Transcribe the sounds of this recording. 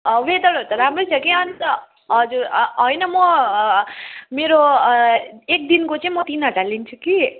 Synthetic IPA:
ʌʋed̪ʌɽot̪ʌɾamɾojt͡sʰʌkiʌnit̪ʌ | ɦʌd͡zuɾɦʌjnʌmʌ | meɾo | ek̚d̪inkot͡saĩmʌt̪inʌʈalint͡ʃʰuki

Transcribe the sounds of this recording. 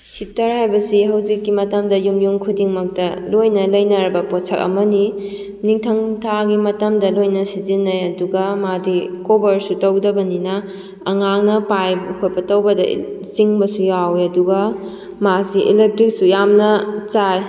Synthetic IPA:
hitɐɾɦajbɐsiɦɐwd͡ʒikːimɐtɐmdɐjumjuŋkʰudiŋmɐk̚tɐlojnɐlɐjnɐɾɐbɐpot͡ʃʰɐk̚ɐ̰mɐni | niŋtʰɐŋtʰaɡimɐtɐmdɐlojnɐsizinːɐjɐduɡɐmadikobɐɾsutɐwdɐbɐninɐː | ŋaŋnɐpajbkʰojbɐtɐwbɐdɐ̰siŋbɐsujawɐduɡɐ | masiʔḭlek̚tɾik̚sujamnɐt͡ʃaɾ

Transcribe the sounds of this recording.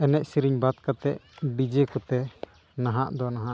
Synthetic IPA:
ɛnɛʔsiɾiɲbad̪̚kat̪ɛʔbid͡ʒɛkɔt̪ɛ | naɦaʔd̪ɔnaɦaʔ

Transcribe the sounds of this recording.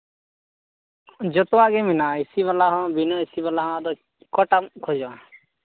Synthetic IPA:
d͡ʒɔt̪ɔwaɡɛminaisiβalaɦɔ̃binɔisibalaɦɔ̃ad̪ɔ | kɔʈamkʰɔd͡ʒɔa

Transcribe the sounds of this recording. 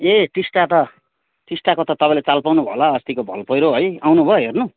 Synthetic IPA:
eʈisʈat̪ʌ | ʈisʈakot̪ʌt̪ʌpãĩlet͡salpawnubʱʌ̰laʌst̪ikobʱʌ̰lpʌjɾoɦʌjawnubʱʌɦernu

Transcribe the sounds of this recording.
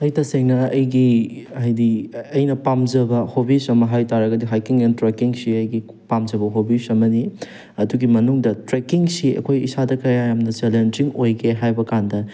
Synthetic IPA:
ɐjtɐseŋnɐɐjɡiɐjdiɐjnɐpamzɐbɐhobisɐmɐɦajtaɾɐɡɐdiɦajkiŋentɾekiŋsiɐjɡi | pamzɐbɐɦobisɐmɐni | ɐduɡimɐnuŋdɐtɾekiŋsiɐ̰kʰojisadɐkɐjajamnɐt͡ʃelend͡ʒiŋojɡʰeɦajbɐkandɐ

